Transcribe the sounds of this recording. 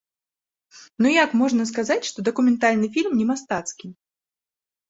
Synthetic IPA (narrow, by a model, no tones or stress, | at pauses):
nujakmɔʐnɐs̬kazat͡sʲʂt̪ɔd̪ɐkumʲɛnt̪alʲnɨfʲilʲmnʲɛmast̪at̪skʲi